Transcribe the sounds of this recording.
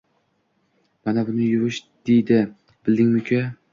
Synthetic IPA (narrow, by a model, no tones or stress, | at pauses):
manabʊnɪjʊɾɪʃd̪̥ejd̪ɪ | b̥ɪld̪ɪŋmʊkʰʲe